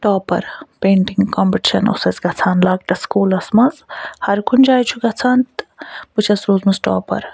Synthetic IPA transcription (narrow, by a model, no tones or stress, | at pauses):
ʈɔːpɐ̰ɾpeːɳʈiŋɡkompiʈiʃɐ̰no̰sɐt͡sɡɐt͡sʰaːnlaːɡ̚ʈ̪ɐskuːlɐsmɐzhɐɾkʰund͡ʒaːjt͡ʃʰuɡɐt͡sʰaːnt̪put͡ʃʰɐsɾoːzmɐzʈɔ̰ːpɐ̰ɾ